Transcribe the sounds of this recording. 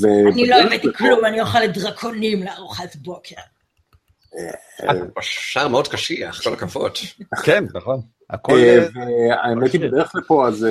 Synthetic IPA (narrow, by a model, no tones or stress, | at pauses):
veniloemet̪iklumanijoχaledʁakʰo̞nimleaʁuχatbo̞kʰeʁ | e | paʃʃaʁmeod̪̚kaʃiaχkolakavo̰t̪kennaχon | a̰kolveaemet̪ibed̪eeχlapoaz